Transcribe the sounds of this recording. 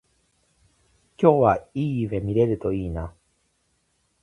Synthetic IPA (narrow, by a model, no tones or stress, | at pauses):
kʲo̞ːβaiːɯβe̞mʲiɾe̞ɾɯ̟t̪o̞iːna